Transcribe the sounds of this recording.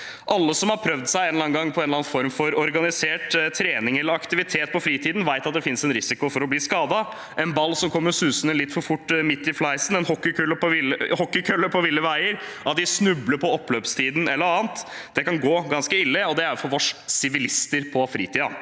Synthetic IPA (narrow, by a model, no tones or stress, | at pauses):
ʔɑlːəsɔmhɑɾpʰɾœʋd̪sæɪenlɑːnɡɑŋːpʰɔeːnlɑnfɔɾmfɔɾɔɾɡɑnɪseːʈt̪ʰɾeːnɪŋɛlːəɾɑkt̪ɪʋɪt̪ʰeːt̪̚pʰɔfɾiːt̪ʰiːd̪n̩ʋæɪt̪ɑt̪̚d̪ɛfɪnsɛnɾɪsɪkʊfɔɾɔbliːskɑːd̪ɑ | ʔɛnbɑlːsɔmkʰɔmːəɾsʉːsənəlɪt̪ːfɔɾfʊʈːmɪt̪ːɪflɑɪsn̩ɛnhɔkːɪkʰʉlːəpɔɪləhɔkːɪkʰœlːəpʰɔʋɪlːəʋæɪəɾʔɑt̪̚d̪ɪsnʉbləɾpʰɔɔpːløːpst̪ʰiːd̪n̩ɛlːəɾɑːnt̪ | d̪̥ɛkɑnɡoːɡɑnskəɪlːəɔd̪ɛæɾfɔɾʋɔʂsɪʋɪlɪst̪əɾpʰɔfɾiːt̪ʰiːd̪ɑ̰